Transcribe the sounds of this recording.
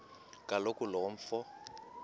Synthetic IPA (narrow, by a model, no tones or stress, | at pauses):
kʼalokʼʊlɔɱ̩fɔ